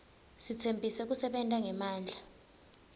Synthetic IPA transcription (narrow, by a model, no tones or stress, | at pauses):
sit͡sʰembʱisɛk̬usɛɓɛntʼaŋɛmaːnd͡ɮʱa